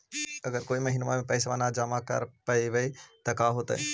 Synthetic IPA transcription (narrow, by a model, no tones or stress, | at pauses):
ɐɡəɾkoːimɐɦiːnmamẽpɛːsʋanad͡ʒamakɐ̰ɾpɐiʋeit̪ɐkaɦoːt̪ae